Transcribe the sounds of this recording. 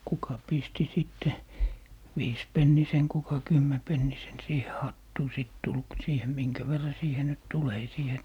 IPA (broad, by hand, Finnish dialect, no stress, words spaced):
kukɑ pisti siˑtːe ʋiːspenːisen kukɑ kymːɛpenːisen siːhe hɑtːuː siˑt tul k siːhe miŋkæ ʋerːɑ siːhe nyt tul ei siːhe